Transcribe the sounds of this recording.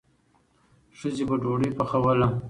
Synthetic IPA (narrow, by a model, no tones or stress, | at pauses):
ʂəzebaɖoɽipaxawala